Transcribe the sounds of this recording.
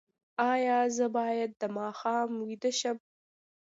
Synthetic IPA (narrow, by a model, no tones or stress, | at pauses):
ɑjɑzəbɑjad̪̚ːəmɑxɑːmwid̪əʃəm